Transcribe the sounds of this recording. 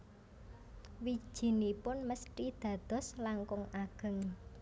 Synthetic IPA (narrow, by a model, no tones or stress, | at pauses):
wi̥ʒ̥i̤nipʊnməsʈid̪̥ä̤d̪̥ɔ̤slaŋkʊŋaɡ̥ə̤ŋ